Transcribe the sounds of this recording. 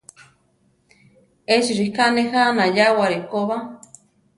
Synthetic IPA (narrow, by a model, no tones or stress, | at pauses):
eʃiɾikanehanajawaɾekoβa